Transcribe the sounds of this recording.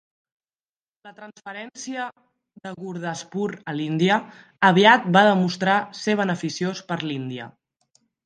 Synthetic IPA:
lət̪ɾənsfəɾɛnsiə | ðəɣuɾðəspuɾəlind̪iə | əβiat̪̚baðəmust̪ɾaseβ̞ənəfisiospəɾlind̪iə̰

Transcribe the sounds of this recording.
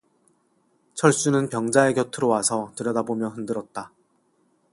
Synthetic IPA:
t͡ɕʰʌɭs͈unɯnpjʌŋd͡ʑae̞kjʌtʰɯɾowasʰʌtɯɾjʌdabomjʌɦɯndɯɾʌt̚t͈a

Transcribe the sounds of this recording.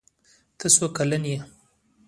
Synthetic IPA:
t̪ʰəsokalənje

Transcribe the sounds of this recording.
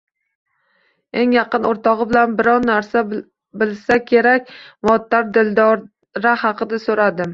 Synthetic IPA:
e̞ŋjɑqɨnoɾt̪ɒʁɨbɪlanbɪɾɒw̪ːaɾsa | bɪlsakʲʰe̞ɾakʲmɒt̪ːaɾd̪ɪld̪ɒɾ | ɾahɑqɨd̪asoɾad̪ɪm

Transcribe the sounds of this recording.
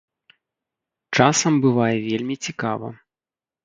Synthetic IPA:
t͡ʂasɐmbɨvajɛvʲelʲmʲit͡sʲikavɐ̰

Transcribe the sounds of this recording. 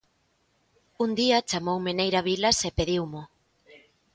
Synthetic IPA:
und̪iat͡ʃamowmenejɾaβilasepeðiwmo

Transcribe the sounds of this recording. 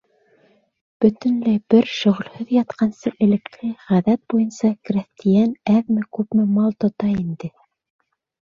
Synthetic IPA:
b̥ɵ̆t̪ɘ̆nlæjbɘɾʃŏʁɵ̆lhɵðjɑt̪qɑnsɤʔɘ̆lɘ̆klɘʁæðæt̪̚bujɤnsɑkræθt̪ijænæðmɘkʉpmɘmɑlˠt̪ŏt̪ɑind̪ɘ

